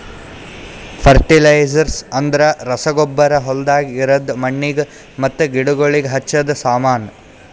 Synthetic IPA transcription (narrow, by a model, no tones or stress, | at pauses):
pʰɐɾʈilɐjd͡ʒɐɾsɐnd̪ɐɾɐɾɐsɐɡɔbːɐɾɐɦɔld̪aːɡiːɾɐd̪mɐɳːiɡ | mɐt̪ːuɡiɽuɡoɭiɡeɦɐt͡ʃːɐd̪saːmaːn